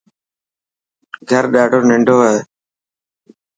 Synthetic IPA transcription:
ɡʱəɾɗaːɖʱoːnɪ̃ɳɖʱoːəɦe

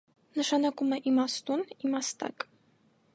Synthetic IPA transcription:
nəʃɑnɑkumɛʔimɑst̪unimɑst̪ɑ̰k

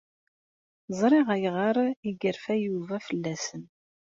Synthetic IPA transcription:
zˤɾˤeʁæjʁəɾˤiɡəɾfæjuvæfəlːæsən

